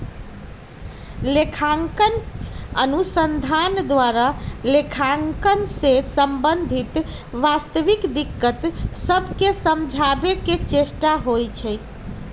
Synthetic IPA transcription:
lekʰaŋkənənusənd̪ʱand̪waɾalekʰaŋkənsesəmbənd̪ʱit̪ʋast̪əʋikd̪ikːət̪səbʱkesəmd͡ʒʱabeket͡ʃesʈaɦojt͡ʃʰɛj

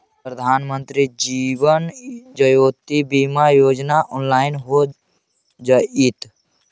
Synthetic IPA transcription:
pɾəd̪ʱaːnmənt̪ɾid͡ʒiːʋənd͡ʒəjoːt̪ibiːmajoːd͡ʒnaʔɔːnlaːɪnɦo | d͡ʒait̪

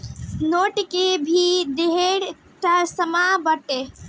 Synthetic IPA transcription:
noːʈkebʱid̪eɦeɽ | t̪əsəmabəʈe

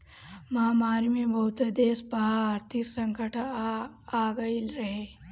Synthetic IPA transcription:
mɐɦamaːɾmebɐɦut̪d̪eːsbɐɦaaːɾt̪ʰiksɐ̃ŋkəʈʰ | aːɡɐilɾɐɦe

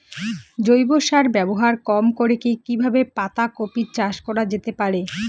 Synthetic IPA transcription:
d͡ʑojboʃaɾbɛboɦaɾkɔmkoɾekikibʱabepat̪akopiɾt͡ɕaʃkɔɾad͡ʑet̪epaɾe

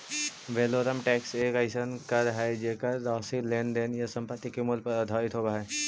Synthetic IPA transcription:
ʋeːloːɾəmʈɛːkseːkaɪsənkɐɾɦɛd͡ʒeːkəɾːaːsileːnd̪eːnjɐsɐ̃mpət̪ːikemʊlpɐɾɐd̪ʱaːɪt̪ɦoːbaɦɛː

